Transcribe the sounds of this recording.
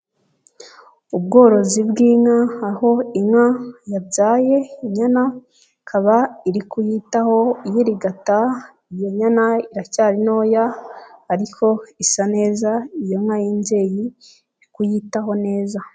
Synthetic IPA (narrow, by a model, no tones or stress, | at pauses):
ubɡo̞ːɾo̞zibɡiːŋaːho̞imŋajabɟaːje̞iɲana | kʰaβaiɾikujitaho̞jiɾiɡata | ijo̞ɲanaiɾacaːɾino̞jaː | ɾikʰo̞isane̞ːzaijoŋŋajiɲɟe̞ji | ɾikujitaɦo̞ne̞ːza